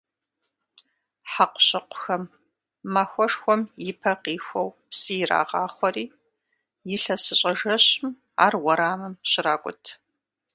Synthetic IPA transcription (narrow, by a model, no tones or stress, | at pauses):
ħaqʷʊ̥ɕʼɪqʷʊ̥xɐmː | axʷɔʂxʷɔmjɪpʰɐqiːxʷɔwpsijɪɾa̰ːʁɑːχʷɔɾiː | jɪɬɐsɨɕʼɐʒɐɕm | a̰ːrwɔɾaːmɨmɕɪɾaːkʷʼʊ̰tʰ